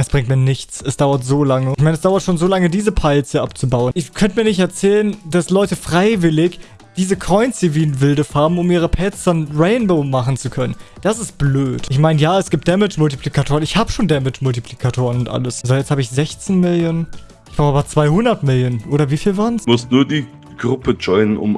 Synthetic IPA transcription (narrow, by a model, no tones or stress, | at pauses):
ʔɛsb̥ʁɪŋktmiːɐnɪçt͡sʔɛsd̥aʊɐtz̥oːlaŋəɪçmaɪnɛsd̥aʊɐtʃoːnzoːlaŋədiːzəpʰaɪlt͡səʔap̚t͡subaʊənɪçkʰœntəmiːɐnɪçtɛɐt͡sɛːlənd̥aslɔʏtəfʁ̥aɪvɪlɪç | d̥iːzəkʰɔʏnsd̥iviːnvɪldəfaːɐbm̩ʊmiːʁ̞əpʰɛːt͡sɐnʁɛɪnboʊmaχn̩t͡sukʰœnən | d̥asɪst̚b̥løːtʔɪçmaɪnəjaːɛsɡ̥iːp̚td̥ɛmɪt͡ʃmʊltipʰl̥ikatʰoːʁənɪçhaːbəʃoːndɛmɪt͡ʃmʊltipʰl̥ikʰatʰoːʁənʊntʔa̰ləszoːjɛt͡sthaːbəɪçz̥ɛçt͡sɪnmɪljoːn | ʔɪçb̥ʁaʊʔaːbɐt͡sv̥aɪhʊndɐtmɪljoːnʔoːɾɐviːfiːlvaːʁənsmʊsnuːɐdiː | ɡ̥ʁʊpəd͡ʒɔɪnənʊ̰m